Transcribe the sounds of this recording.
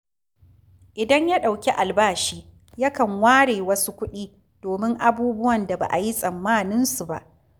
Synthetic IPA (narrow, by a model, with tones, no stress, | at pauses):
ʔɪ˨dɐ˦ɲja˦ɗa˨wkʲe˦ʔa˨lbaː˦ʃiː˦ | ja˦kɐ˨ŋwaː˦ɽeː˨wɐ˦su˦kʷʊ˦ɗiː˦ | d̥oː˨mɪ˦ŋʔa˦buː˦bʊ˦wɐ˨nda˨ba̰˨ʔa̰˨ji˦sʼɐ˨mːaː˦nɪ˦nsu˨ba̰˦˨ʔ